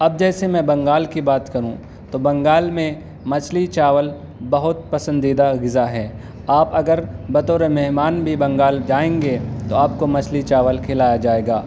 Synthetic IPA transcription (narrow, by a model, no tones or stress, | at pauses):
ɐb̚d͡ʒɛːsemɛ̃bɐ̃ŋɡaːlkibaːt̪kɐɾũ | t̪obɐ̃ŋɡaːlmẽ | mɐt͡ʃʰlit͡ʃaːʋəl | bɐɦʊt̪̚pɐsə̃nd̪iːd̪aɡɪzaɦɛː | aːpɐɡəɾbɐt̪oːɾemɛɦmaːnbʱibɐ̃ŋɡaːld͡ʒaːẽːŋɡet̪oaːpkomɐt͡ʃʰlit͡ʃaːʋəlkʰɪlaːjad͡ʒaːeːɡaː